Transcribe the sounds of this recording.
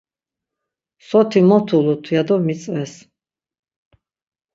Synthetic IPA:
sɔt̪ʰimɔt̪ʰulut̪ʰwad̪ɔmit̪sʼvɛs

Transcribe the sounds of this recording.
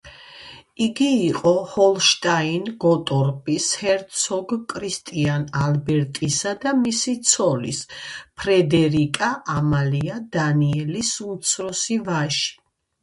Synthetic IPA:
iɡiːqʼɔhɔlˠʃt̪ʼainɡɔt̪ʼɔɾpʼishɛɾt̪sʰɔɡkʼɾist̪ʼianalbɛɾt̪ʼisad̪amisit̪sʰɔlḭspʰɾɛd̪ɛɾikʼaʔamaliad̪aniɛlisunt̪sʰɾɔsivaʃi̥

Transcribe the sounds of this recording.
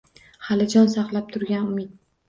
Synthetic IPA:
halɪd͡ʒɒnsɑqlˠap̚t̪ʰʊɾɡʲanʊmɪt̪̚

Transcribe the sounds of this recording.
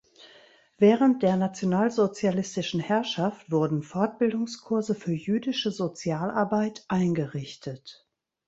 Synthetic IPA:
v̥ɛːʁənt̚d̥eːɐnat͡sjonaːlzot͡sjalɪstɪʃn̩hɛɐʃaftv̥ʊɐdn̩fɔɐt̚b̥ɪldʊŋskʰʊɐzəfyːɐjyːdɪʃəzot͡sjaːlʔa̰ɐbaɪtʔaɪnɡəʁɪçtʰət

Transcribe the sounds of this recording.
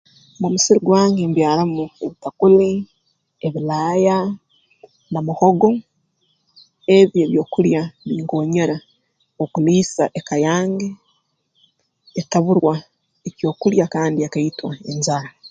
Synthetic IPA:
mumusiɾiɡwaːŋɡembjaːlamueβitakuli | eβilaːja | namuhoɡo̞ | eβjeːβjo̞ːkuljaβiːŋɡoːɲeɾa | okuliːsaʔekajaːŋɡe | taβuɾwa | ecjo̞ːkuljakaːndiakaitwae̞ɲzaɾa

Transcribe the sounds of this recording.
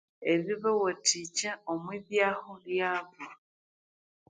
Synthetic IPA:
eβiβawatʰit͡ʃaomwiβjaːxoljaːβa

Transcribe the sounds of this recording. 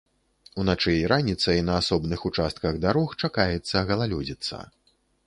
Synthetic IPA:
unat͡ʂɛɾʔanʲit̪sɐinɐːsɔbnɨxut͡ʂast̪̚kɐɣd̪aɾɔxt͡ʂakajɛt̪sːɐɣɐlˠalʲɔd͡zʲit̪sːɐ̰

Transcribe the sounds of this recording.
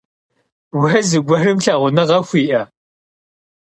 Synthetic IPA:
wɐzɨɡʷɐrɨmɬɐʁʷʊnɐʁɐxʷiːʔɐ

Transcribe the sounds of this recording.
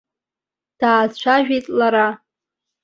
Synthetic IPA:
d̥aːzt͡ɕʷʰaʒᶣejtʼlaɾa

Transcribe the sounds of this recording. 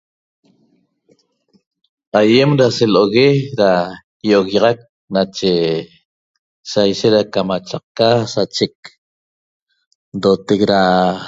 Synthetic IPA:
aje̞mɾaseloɣeɾa | joɣɑʁɑk̚ | nat͡ʃe | sajʃet̪ɾakamat͡ʃaq̚kasat͡ʃek̚ | d̪ot̪ek̚ɾa

